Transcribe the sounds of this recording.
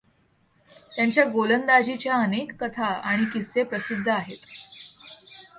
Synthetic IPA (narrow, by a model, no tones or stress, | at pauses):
t̪jaɲt͡ɕjaɡolənd̪ad͡ʑit͡ɕjaənekːət̪ʰaaɽ̃ikisːepɾəsid̪ʱːəaɦet̪